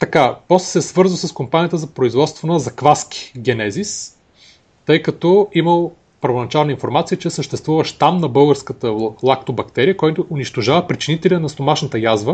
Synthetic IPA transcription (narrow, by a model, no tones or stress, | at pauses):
t̪ɐkapɔslɛ̥sɛsvɤɾzvəsəskompanʲijət̪əzɐpɾoizvɔt̪st̪vonəzɐkvaskʲi̥ɡʲɛnɛzis | t̪ɤjkɐt̪ɔiməlˠ | pəɾvonɐt͡ʃalˠnəinfoɾmat̪sijət͡ʃɛsəʃt̪ɛst̪vuvəʃt̪amnɐbɤlˠɡəɾskət̪əlˠakt̪obɐkt̪ɛɾiəkɔjt̪ʊʔʊniʃt̪oʒavəpɾit͡ʃɛnit̪ɛlʲiənɐst̪omaʃnət̪əjazvə